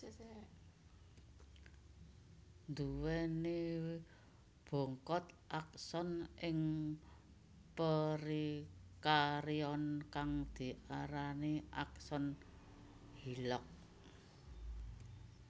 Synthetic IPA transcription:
nd̪uwɛni | b̥ɔ̤ŋkɔt̪ʔak̚sɔnʔɪŋ | pəɾikaɾiɔnkaŋd̪̥i̤ʔaɾaniʔak̚sɔn | hilɔk̚

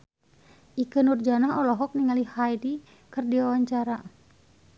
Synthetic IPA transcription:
ʔikənurd͡ʒanaɦɔlɔɦɔk̚niŋalihajdi | kərdiwawaɲt͡ʃaɾa

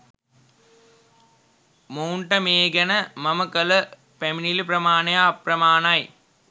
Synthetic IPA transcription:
mowɳʈɐmeːɡɐnɐmɐmɐkɐlɐ | peminilpɾɐmaːnɐjaprɐmaːnaj

